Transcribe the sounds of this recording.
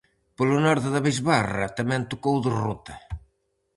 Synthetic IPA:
polʊnɔɾðeðaβizβarɐ̰t̪amɛ̃nt̪ukowðɪrut̪ɐ

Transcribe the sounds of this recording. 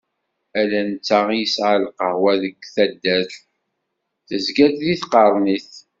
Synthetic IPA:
ælænət͡sːaʁjəsʕəlqəhwæðəɡθæd̪ːæθ | θəzɡæd̪ðiθqɑɾˤniθ

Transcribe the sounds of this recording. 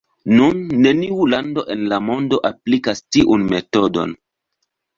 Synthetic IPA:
nunːe̞niulando̞ʔe̞nlamo̞ndo̞ʔaplikastiʔunme̞to̞do̞̰n

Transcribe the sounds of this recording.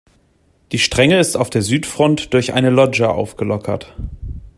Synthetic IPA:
d̥iːʃtʁ̥ɛŋəɪstaʊfd̥eːɐzyːtfʁ̥ɔntd̥ʊɐçʔa̰ɪnəlɔd͡ʒəʔa̰ʊfɡ̥əlɔkʰɐ̰t

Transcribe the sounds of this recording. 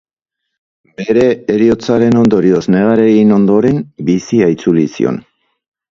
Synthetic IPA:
be̞ɾe̞ːɾio̞t͡saɾe̞no̞nd̪o̞ɾio̞zneɣ̞aɾe̞ɣino̞nd̪o̞ɾe̞mbisiait͡sulisḭo̞̰n

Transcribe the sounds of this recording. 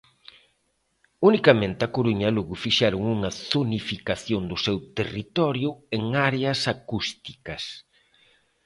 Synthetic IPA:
unikɐmẽnt̪ɪɐkoɾuɲɐluɣʊfiʃaɾʊŋuŋɐθonifikaθjoŋd̪ʊsewt̪erit̪ɔɾjʊeŋaɾeɐsakust̪i̥kɐs

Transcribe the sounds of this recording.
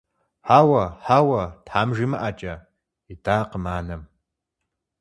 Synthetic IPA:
ħaːwɐħaːwɐtħaːmʒɪmɨʔat͡ʃʼɐ | idaːqəmaːnɐm

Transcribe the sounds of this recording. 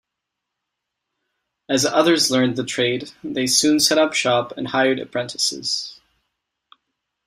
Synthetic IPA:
ɨzʌðə˞zlɜ̃˞nðɨtʰɹ̥eɪd̪̚ðeɪsʉ̃nsɛɾʌpʃɑpɨ̰̃nhaɪə˞ɾɨ̰pʰɹ̥ɛ̃ntʰɨ̥sɪ̰z̥

